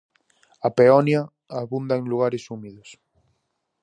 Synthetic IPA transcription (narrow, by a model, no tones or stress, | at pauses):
apeɔnjɐ | aβund̪ɐeŋluɣaɾesumiðos